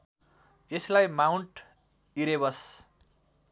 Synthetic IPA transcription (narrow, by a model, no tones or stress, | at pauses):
eslajmawɳʈ | iɾebʌs